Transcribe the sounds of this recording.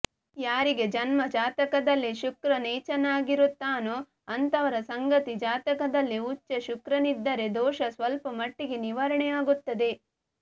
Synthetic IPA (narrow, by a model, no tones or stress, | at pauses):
jaːɾiɡe̞d͡ʒɐnmɐd͡ʒaːt̪ɐkɐd̪ɐlːiʃukɾɐnɛːt͡ʃɐnaːɡiɾut̪ːaːnu | ɐnt̪ɐʋɐɾɐsɐŋɡɐt̪id͡ʒaːt̪ɐkɐd̪ɐlːiut͡ʃːɐʃukɾɐnid̪ːɐɾe̞d̪ɔːʃɐsʋɐlpɐmɐʈːiɡe̞niʋɐɾɐɳɛjaːɡut̪ːɐd̪e̞